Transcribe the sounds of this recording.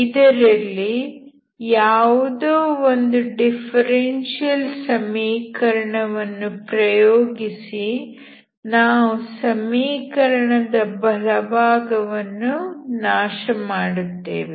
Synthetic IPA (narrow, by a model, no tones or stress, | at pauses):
id̪ɐɾɐlːi | jaːʋud̪oːond̪uɖipʰɐɾenʂijɐlsɐmiːkɐɾɐɳɐʋɐnːupɾɐjoːɡisi | naːʋusɐmiːkɐɾɐɳɐd̪ɐbɐlɐbʱaːɡɐʋɐnːunaːʃɐmaːɽut̪ːḛːʋe